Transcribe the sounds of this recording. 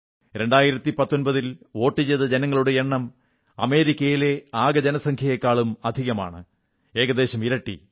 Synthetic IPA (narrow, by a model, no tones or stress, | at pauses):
ɾe̞ɳɖaːjiɾɐt̪ːipɐt̪ːo̞nbɐðilo̞ːʈːit͡ɕejðɐd͡ʑenɐŋːɐɭuɽe̞eɳːɐm | ɐ̰me̞ːɾikʲːɐjile̞aːɡɐd͡ʑɐnɐsɐŋkʰjɐjekːaːɭumɐd̪ʱiɣɐma̰ːɳɨ̰ | e̞ːɣɐd̪e̞ːɕɐmiɾɐʈːḭ